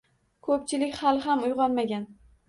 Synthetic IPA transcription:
kʰɵp̚t͡ʃʰɪlɪkʲhalˠɦamʊjʁɒnmaɡʲan

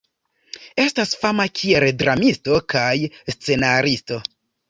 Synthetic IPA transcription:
e̞stasfamakʰieldɾamisto̞kajst͡se̞naɾisto̞

